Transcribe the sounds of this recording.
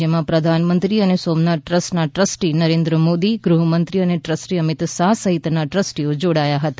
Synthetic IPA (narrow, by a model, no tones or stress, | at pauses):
emãpɾəd̪ʱanmənt̪ɾiənesomnaʈʈɾəsnaʈɾəsʈinəɾẽnd̪ɾəmod̪iɡɾuɦəmənt̪ɾiəneʈɾəsʈiəmɪt̪sasəɦɪt̪naʈɾəsʈiod͡ʒoɽajaɦət̪a